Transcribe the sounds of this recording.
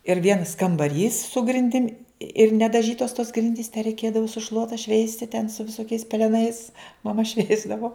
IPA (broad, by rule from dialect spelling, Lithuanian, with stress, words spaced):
ɪr ˈʋʲiɛnɐs kɐmbɐˈrʲiːs sʊ ɡrʲɪnʲˈdʲɪmʲ ɪr nʲɛdɐˈʒʲiːtoːs toːs ˈɡrʲɪnʲdʲiːs tʲɛ rʲɛɪˈkʲeːdɐʋoː sʊ ˈʃlˠuɔtɐ ˈʃʲʋʲɛɪsʲtʲɪ tʲɛn sʊ ʋʲɪˈsoːkʲɛɪs pʲɛlʲɛˈnɐɪs mɐˈmɐ ˈʃʲʋʲɛɪzdɐʋoː